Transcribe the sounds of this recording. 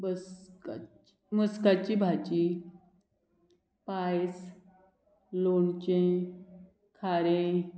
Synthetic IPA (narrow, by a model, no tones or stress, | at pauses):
bəska | məskat͡ɕibʱat͡ɕi | pajs | lont͡ɕẽ | kʰaɾẽ